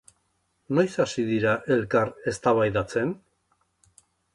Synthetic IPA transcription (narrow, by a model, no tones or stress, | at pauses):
no̞jsasiðiɾaʔe̞lkaɾe̞st̪aβ̞ajðat͡se̞n